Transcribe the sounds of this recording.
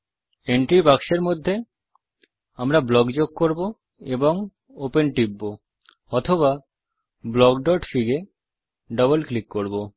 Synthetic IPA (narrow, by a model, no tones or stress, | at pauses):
eɳʈɾibakʃeɾmod̪ʱːe | amɾablɔɡd͡ʑoɡ̚koɾbo | eboŋ | openʈibːo | ɔt̪ʰoβa | blɔɡɖɔʈfiɡe | ɖɔbolklikːoɾbo